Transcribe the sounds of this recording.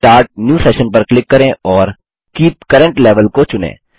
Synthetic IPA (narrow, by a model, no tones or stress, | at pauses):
ʈaːɾʈ̚njuːseːʃə̃npɐɾklɪkːɐɾẽɔːɾ | kiːp̚kɐɾə̃ɳʈleːʋəlkot͡ʃʊnḛ̃ː